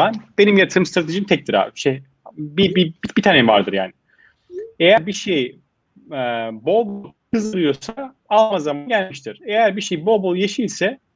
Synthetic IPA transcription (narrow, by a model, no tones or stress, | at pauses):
anb̥e̞nimjat̪ʰɯmst̪ʰɾat̪ʰeʒimt̪ʰɛc̚d̪iɾa̰ʃe | bibibib̥it̪ʰaːnɛva̰ɾd̪ɯɾja̰ːnɪ | ejæɾbiʃej | ɛbolˠbolˠ | kʰɯzd̪ɯlˠɯjosa | alˠmazamanɟælʲmiʃt̪ʰiɾ̥ejæɾbiʃejbo̞lˠbolˠjeʃilʲsɛ